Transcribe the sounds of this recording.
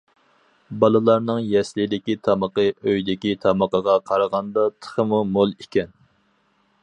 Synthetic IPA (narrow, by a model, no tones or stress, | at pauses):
bɑlˠɨlˠɑɾnɨŋjɛslɪd̪ɪkʲit̪ʰɑməqəʔøjd̪ɪkʲit̪ʰɑməqəʁɑqʰɑɾəʁɑnd̪ɑt̪ʰə̥χəmumolˠikʲɛn